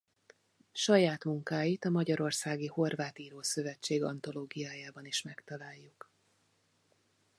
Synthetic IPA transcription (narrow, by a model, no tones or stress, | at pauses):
ʃɒjaːt̪muŋkaːjit̪ɒmɒɟɒɾo̞rsaːɡiho̞rvaːt̪iːɾoːsø̞vɛt͡ʃːeːɡɒ̰nt̪o̞loːɡijaːjaːbɒniʃmɛkt̪ɒlaːjːuk